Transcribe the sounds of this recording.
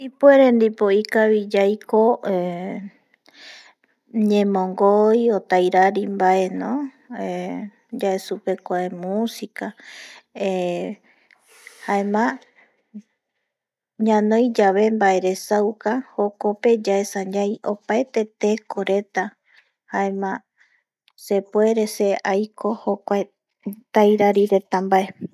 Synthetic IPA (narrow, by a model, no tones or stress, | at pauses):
ipueɾẽnd̪ipoikaβid͡ʒajkoe | ɲẽmõŋɡojot̪ajɾaɾimbaʔe̞nõ | e | d͡ʒaesupe̞kʷaemusika | e | haemã | ɲãnõ̞jd͡ʒaβe̞mbae̞ɾe̞sawkaho̞ko̞pe̞d͡ʒaesãɲajo̞paet̪e̞t̪e̞ko̞ɾe̞t̪a | hae̞mã | se̞pwe̞ɾe̞se̞ajkʰo̞hokʷae | t̪ajɾaɾiɾe̞t̪ambaʔe̞